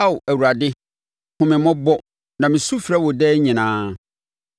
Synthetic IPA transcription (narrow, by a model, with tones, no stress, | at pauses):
a˦wʊ˨æ˨wu˨ɾa˨dɪ˦ | hʊ̃˨mɪ̃˨mɔ̃˦bɔ˦ | nã˨mɪ̃˨su˦fi˨ɾa˦wɔ˨dɛː˦ɲɪ̃˨nãː˦